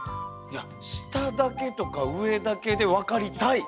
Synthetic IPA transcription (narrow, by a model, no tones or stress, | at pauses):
ja | ɕi̥t̪ad̪ake̞t̪o̞kaɯ̟e̞d̪ake̞d̪e̞βakaɾʲit̪ai